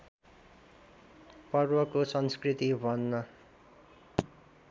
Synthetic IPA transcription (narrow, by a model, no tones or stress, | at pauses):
pʌrbʌkosʌnskrit̪ibʱʌnːʌ